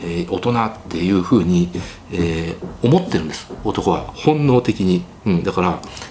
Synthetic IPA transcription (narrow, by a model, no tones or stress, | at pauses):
eo̞t̪o̞nat̪ːe̞jɯ̟ːɸɯ̟ːɲ̟i | eːo̞mo̞t̪ːeɾɯ̟̃nd̪esɨ̥o̞t̪o̞ko̞βa̰hõ̞nːo̞ːt̪e̞kʲiɲ̟i | ɯ̟̃ɴd̪akaɾa